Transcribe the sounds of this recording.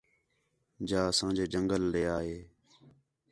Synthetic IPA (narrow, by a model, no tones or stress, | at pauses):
d͡ʒaːsãːd͡ʒeːd͡ʒəŋɡəlːeːaːɦeː